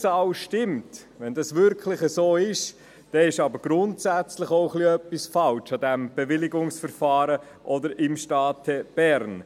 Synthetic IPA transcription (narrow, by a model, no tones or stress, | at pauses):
sɑʊʃtɪmt | ʋɛndɑsvʏɾkʰlɪχəsoːɪʃ | d̥ɛɪʃɑbəɾɡ̥ɾʊntsæt͡slɪχoʊχliœpːisfɑlt͡ʃɑdɛmb̥ɛvɪlɪɡʊŋsfəɾfɑːɾə | ʔɔdəɾɪmʃtɑːtʰɛb̥ɛɾn